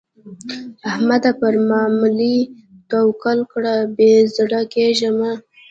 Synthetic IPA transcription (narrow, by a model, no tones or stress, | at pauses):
ahmad̪apəɾmɑmulit̪awkalkɽabezɽakeʒəma